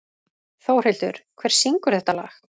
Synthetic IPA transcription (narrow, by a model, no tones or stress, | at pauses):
θoːwr̥ɪlt̪ʏ̰ɾ̥kʰvɛːɾ̥siŋkʏɾ̥θɛht̪ala̰ːx